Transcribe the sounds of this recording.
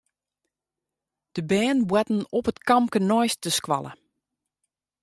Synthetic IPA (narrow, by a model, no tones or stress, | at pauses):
d̥əbɛːnbwɛtn̩ɔpətkɑmkənɔjstəskwa̰lə̰